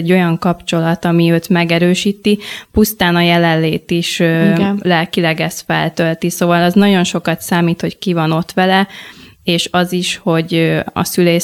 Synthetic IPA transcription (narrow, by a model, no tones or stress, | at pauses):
ɟːo̞jɒŋkɒpt͡ʃo̞lɒt̪ɒmiøːt̪mɛɡɛɾøːʃiːt̪ipust̪aːnɒjɛlɛlːeːt̪iʃ | lɛlkilɛɡɛst̪fɛ̰lt̪ølt̪isoːvɒlɒznɒɟo̞nʃo̞kɒt̪saːmiːt̪ho̞ckivɒno̞t̪ʋɛlɛeːʃɒziʃho̞ɟɒ̰syleː